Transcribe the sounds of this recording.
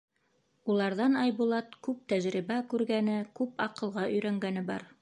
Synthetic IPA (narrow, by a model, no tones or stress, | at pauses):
ulˠɑɾðɑnɑjbulˠɑt̪̚kʉp̚t̪æʒɾiβækʉɾɡænɘkʉpɑqɤ̆lˠʁɑʔɵ̆jɾæŋɡænɘbɑ̰ɾ